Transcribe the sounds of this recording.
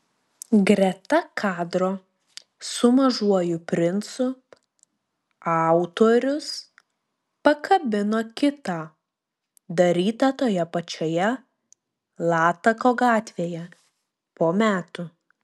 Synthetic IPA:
ɡɾʲɛt̪ɐkʰɑːd̪ɾoː | sʊmɐʒuɔjʊpʲɾʲɪnsʊ | ɑˑʊt̪oːɾʲʊs | pɐkʰɐbʲɪnoːkʲɪt̪ɑː | d̪ɐɾʲiːt̪ɐt̪oːjɛpɐt͡ʃʲoːjɛ | lˠɑːt̪ɐkoːɡɑːt̪ʲʋʲeːjɛ | poːmʲæːt̪ʊ

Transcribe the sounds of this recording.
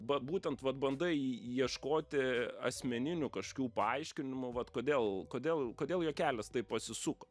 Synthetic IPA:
bɐtbuːt̪ʲɛnt̪ʋɐt̪̚bɐnd̪ɐɪjiɛʃkoːt̪ʲɪɐ̰sʲmʲɛnʲɪnʲʊkɐʃokʲuːpɐɐɪʃʲkʲɪnʲɪmʊʋɐt̪koːd̪ʲeːlˠkoːd̪ʲeːlˠkoːd̪ʲeːlˠjoːkʲæːlʲɛst̪ɐɪppɐsʲɪsʊkɐ

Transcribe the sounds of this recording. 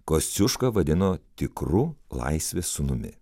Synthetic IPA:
kosʲʊʃkɐʋɐd̪ʲɪnoːt̪ʲɪkɾulˠɐ̰ɪsʲʋʲeːsːʊnʊmʲɪ̰

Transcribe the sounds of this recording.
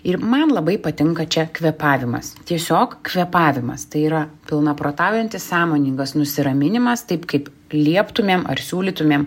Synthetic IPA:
ɪɾmɐnlˠɐbɐɪpɐt̪ʲɪŋkɐt͡ʃʲɛkʋʲɛpɑːʋʲɪmɐ̰st̪ʲiɛsʲoːkkʋʲɛpɑːʋʲɪmɐ̰st̪ɐɪiːɾɐpʲɪlˠnɐpɾoːt̪ɑːʊjɛnʲt̪ʲɪssɑːmoːnʲiːŋɡɐsnʊsʲɪɾɐmʲɪnʲɪmɐst̪ɐɪpkɐɪp | lʲiɛpt̪ʊmʲeːmʔɐ̰ɾsʲuːlʲiːt̪ʊmʲeːm

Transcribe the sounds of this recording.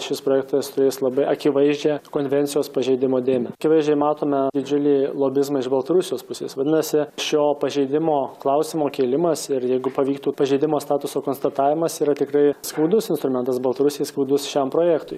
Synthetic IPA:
ʃʲɪspɾoːjɛk̚t̪ɐst̪ʊɾʲeːslˠɐbɐɪɐkʲɪʋɐɪʒʲd͡ʒʲɛkoːnʲʋʲɛnʲtsʲɪjoːspɐʒʲɛɪd̪ʲɪmoːd̪ʲeːmʲɛkʲɪʋɐɪʒʲd͡ʒʲɛmɑːt̪oːmʲɛd̪ʲɪd͡ʒʲʊlʲiːlˠoːbʲɪzmɐɪʒbɐlˠt̪ɐɾʊsʲɪjoːspʊsʲeːsʋɐd̪ʲɪnɐsʲɪʃʲoːpɐʒʲɛɪd̪ʲɪmoːklˠɐʊsʲɪmoːkʲeːlʲɪmɐsɪɾjɛɪɡʊpɐʋʲiːk̚t̪uːpɐʒʲɛɪd̪ʲɪmoːst̪ɑːt̪ʊsoːkoːnst̪ɐt̪ɑːʋʲɪmɐsiːɾɐt̪ʲɪkɾɐɪskɐʊd̪ʊsɪnst̪ɾʊmʲɛnt̪ɐsbɐlˠt̪ɐɾʊsʲɪjɛskɐʊd̪ʊsʃʲɛmpɾoːjækt̪ʊɪ

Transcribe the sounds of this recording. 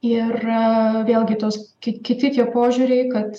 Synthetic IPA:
ɪrʋʲeːlʲˠɡʲɪt̪oːskʲɪkʲɪt̪ʲɪt̪ʲiɛpoːʒʲuːɾʲɛɪkɐt̪

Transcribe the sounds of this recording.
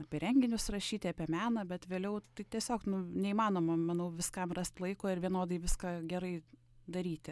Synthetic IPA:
ɐpʲɛɾʲɛŋʲɡʲɪnʲʊsrɐʃʲiːt̪ʲɪɐpʲɛmʲæːnɐbʲɛt̪ʋʲeːlʲɛʊt̪ɐɪt̪ʲɛsʲoːknʊnʲɛiːmɑːnoːmɐmɐnɐʊʋʲɪskɐmrɑsʲt̪lˠɐɪkoːɪrʋʲiɛnoːd̪ɐɪʋʲɪskɑɡʲɛɾɐɪ | d̪ɐɾʲiːt̪ʲɪ

